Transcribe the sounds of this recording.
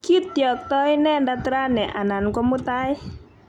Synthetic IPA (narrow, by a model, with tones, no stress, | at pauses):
kʰi˦t̪̚ːjə˨˩k̚t̪ɔ˧˦jnɛ˧˨nda˧t̪ɾa˦˨nɛ˨ʔa˨na˨nka˧mo˦t̪a˧˦j